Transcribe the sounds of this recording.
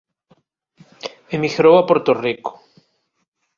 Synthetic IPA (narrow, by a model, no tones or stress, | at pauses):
emixeɾowapoɾt̪oriko̥